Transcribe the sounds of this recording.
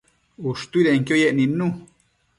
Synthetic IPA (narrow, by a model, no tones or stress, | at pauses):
uʂt̪uiðeŋkjojeʔnĩnũ